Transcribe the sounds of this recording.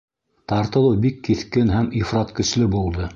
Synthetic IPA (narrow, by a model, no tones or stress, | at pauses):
t̪ɑɾt̪ɤ̆lˠɤwbikːiθkɘnɦæmifrɑt̪kɵ̆slɘbulˠd̪ɤ